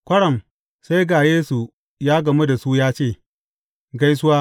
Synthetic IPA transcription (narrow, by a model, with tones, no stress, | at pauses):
kʷɐ˦ɽɐ˨m | sa˦jɡaː˨jeː˦su˨ | jaː˦ɡɐ˨mu˦da˨su˦jaː˦t͡ʃeː˦˨ | ɡa˦js̬ʊ˦waː˦